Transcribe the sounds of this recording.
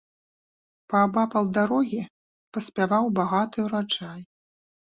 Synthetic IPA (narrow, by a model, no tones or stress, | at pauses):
pɐːbapɐlˠd̪aɾɔɣʲi | pɐsʲpʲavawbaɣat̪ɨuɾat͡ʂaj